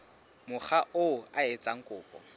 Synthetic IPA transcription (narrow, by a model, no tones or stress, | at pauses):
mʊχaʔʊaet͡sʼaŋ̩kʼʊːpʼɔ̰